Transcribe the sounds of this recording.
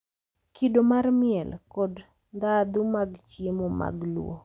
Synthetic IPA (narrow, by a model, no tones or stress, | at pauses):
kʰidomarmɪɛlkɔd | nd̪ad̪umaɡt͡ʃjemɔma̰ɡlwo̰